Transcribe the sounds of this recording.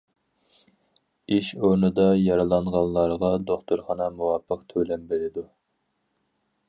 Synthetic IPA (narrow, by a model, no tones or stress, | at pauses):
iʃoɾnɨd̪ɑjɑɾɨlˠɑɴʁɑlˠːɑɾʁɑd̪oχt̪ʰuɾχɑnɑmuwɑpʰːəqt̪ʰølɛmbeɾɪd̪u